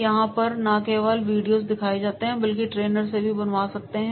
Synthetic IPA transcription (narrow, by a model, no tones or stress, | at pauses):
jɐɦãpɐɾnaːkeːʋaːlʋiːɖijoːzd̪ɪkʰaːed͡ʒaːt̪eɦɛ̃bɐlkiʈɾeːnəɾs̬ebʱibɐnʋaːsɐk̚t̪eɦɛ̃